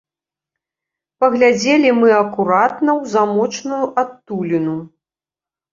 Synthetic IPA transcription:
pɐɣlʲad͡zʲelʲimɨɐkuɾat̪nɐwzamɔt͡ʂnujuʔat̪ːulʲinu

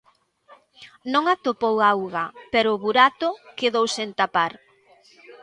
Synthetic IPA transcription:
nõŋat̪opowawɣɐpɛɾʊːβuɾat̪ʊkeðowsent̪apaɾ

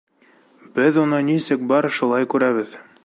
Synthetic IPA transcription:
bɘðunɤnisɘk̚bɑɾʃulˠɑjkʉɾæβɘð

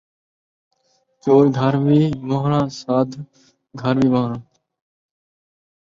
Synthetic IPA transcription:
t͡ʃoːɾɡʱəɾʋiːmoɦɾãːsaːd̪ʱ | ɡʱəɾʋiːbaːɾãː

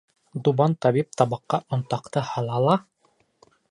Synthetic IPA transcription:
d̪ubɑnt̪ɑβip̚t̪ɑbɑqːɑʔŏnt̪ɑqt̪ɤhɑlˠɑlˠɑ

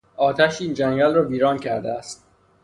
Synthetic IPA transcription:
ɒːt̪ʰæʃiːnd͡ʒæŋɟælrɒːviːɾɒːncʰæɾd̪eæst̪̚

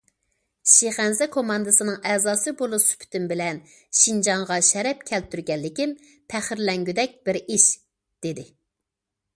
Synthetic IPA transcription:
ʃeχænzɛkʰomɑnd̪ɨsɨnɨŋɛzɑːsɨbolˠusy̥pʰt̪ymbɪlɛn | ʃind͡ʒɑŋʁɑʃɛɾɛpkʲʰɛlt̪ʰːyɾɡʲɛlːɪkʲim | pʰæχɪɾlɛŋɡʲyd̪ɛk̚ʲbɪɾiʃ | d̪̥ed̪ɪ

